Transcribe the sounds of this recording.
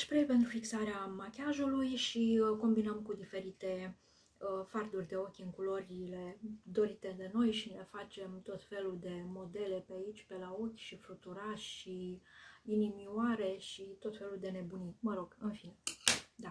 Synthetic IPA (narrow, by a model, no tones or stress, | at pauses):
ʃpɾejpent̪ɾufiksaɾeamakʲaʒulujʃiko̞mbinəmkud̪ife̞ɾit̪e̞ | əfard̪urʲd̪e̞o̞kʲɨŋkulo̞ɾʲile̞d̪o̞ɾit̪e̞d̪e̞no̞jʃine̞fat͡ʃe̞mt̪o̞t̪fe̞lud̪e̞mo̞d̪e̞le̞peait͡ʃʲpe̞lao̞kʲʃifɾut̪uɾaʃʃi | inimiwaɾe̞ʃit̪o̞t̪fe̞lud̪e̞ne̞buniməɾo̞ɡ̥ɨnfined̪a